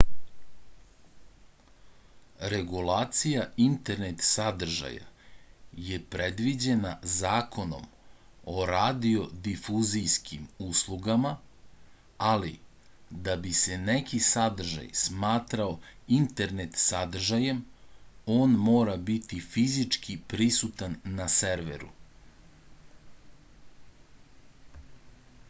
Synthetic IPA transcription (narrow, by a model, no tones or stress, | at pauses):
ɾe̞ɡulaːt̪sijaint̪e̞ɾnet̪sad̪r̩ʒa̰ja̰ | je̞pɾe̞d̪ʋid͡ʑe̞nazaːkʰo̞no̞̰m | o̞ɾad̪io̞d̪ifuzijskʰimuslˠuɡama | alḭ | d̪abise̞nekʰisad̪r̩ʒa̰jsmaːt̪ɾaoint̪e̞ɾnet̪sad̪r̩ʒaje̞m | o̞ːnmoːɾabit̪ifizit͡ʂkʰipɾisut̪anːaseɾʋḛɾṵ